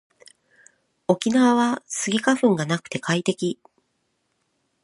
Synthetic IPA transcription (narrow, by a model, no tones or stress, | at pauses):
o̞kʲinaβaβasɨɡʲikaɸɯ̟̃ŋɡanakɯ̟̥t̪e̞kait̪e̞kʲi